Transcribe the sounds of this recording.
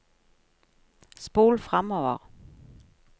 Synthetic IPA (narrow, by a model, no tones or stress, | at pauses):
sb̥oːlfʁamɒɐ